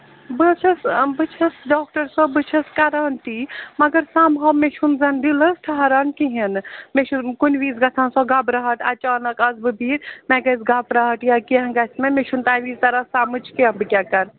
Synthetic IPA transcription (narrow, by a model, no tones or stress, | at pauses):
bɐt͡ʃʰɐsbɨt͡ʃʰɐsɖɔːk̚ʈɐɾsɐbɨt͡ʃʰɐskɐɾaːnt̪imɐɡɐɾsaːmɦɐmeʃʰunzɐnd̪ilɐsʈʰɐɦɐɾaːnkiɦinmeʃʰukunʋiːzɡɐt͡sʰaːnsɔɡabɾɐɦɐʈʰɐt͡ʃaːnɐkɐzbɨbʱiːɾmɛɡɐzɡaːpɾɐɦɐʈjakiɦɐ̃ɡɐsmemeʃʰunt̪aːjʋiːzt̪ɐɾɐsaːmɨt͡ʃʰkiɐmbɨkʲaːkɐɾ